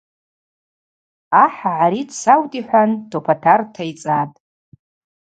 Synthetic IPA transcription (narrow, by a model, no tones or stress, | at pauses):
aħaʕaɾidsawtʼiħʷantʰopʰatʰartʰajt͡sʼatʼ